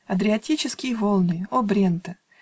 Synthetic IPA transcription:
ɐd̪ɾʲɪɐtʲit͡ɕɪskʲɪjəvolˠnɨjəobɾʲent̪ə

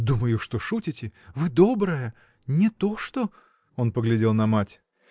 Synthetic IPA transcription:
d̪uməjʊʂt̪oʂutʲɪtʲɪvɨd̪o̞bɾəjə | nʲɪt̪o̞ʂt̪o̞ | o̞npəɡlʲɪdʲe̞lˠnɐmatʲ

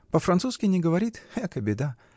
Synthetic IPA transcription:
pəfɾɐnt̪suskʲɪnʲɪɡəvɐɾʲit̪xɛkəbʲɪd̪a

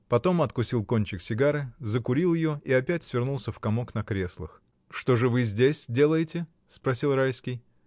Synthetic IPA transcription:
pɐt̪o̞mɐt̪kʊsʲilˠko̞nʲt͡ɕɪksʲɪɡaɾɨzəkʊɾʲilˠjɪjo̞iɐpʲætʲsʲvʲɪrnulˠsʲəfkɐmo̞knɐkɾʲe̞slˠɨ̰x | ʂt̪o̞ʐɨvɨzʲdʲesʲdʲe̞lˠəjɪtʲɪ | spɾɐsʲilˠrajskʲɪj

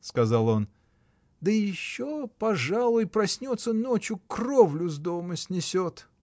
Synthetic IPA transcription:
skɐzalˠo̞n | d̪əjɪɕːopɐʐalˠʊjpɾɐsʲnʲo̞t̪sːənot͡ɕjʊkrovlʲʊzd̪oməsʲnʲɪsʲot̪

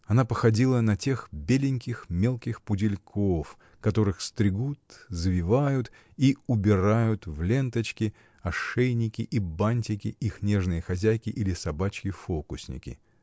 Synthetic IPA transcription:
ɐnapəxɐdʲilˠənɐtʲe̞xbʲelʲɪnʲkʲɪxmʲe̞lˠkʲɪxpʊdʲɪlʲkʰof | kɐt̪o̞ɾɨxst̪ɾʲɪɡut̪zvʲɪvajʊt̪ | iʊbʲɪɾajʊt̪vlʲe̞nt̪ət͡ɕkʲɪ | ɐʂejnʲɪkʲɪʔibanʲtʲɪkʲɪʔixnʲe̞ʐnɨjəxɐzʲæjkʲɪʔilʲɪsɐbat͡ɕkʲɪfokʊsʲnʲɪ̰kʲɪ̰

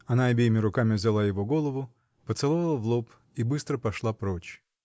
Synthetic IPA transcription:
ɐnaɐbʲejɪmʲɪɾʊkamʲɪvzʲɪlˠajɪvo̞ɡo̞lˠəvʊ | pət̪sɨlˠovlˠəvlˠop | ibɨst̪ɾəpɐʂlˠapɾot͡ɕ

